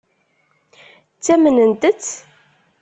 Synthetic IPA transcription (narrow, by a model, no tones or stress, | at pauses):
t͡sːæmənənt̪ət͡sː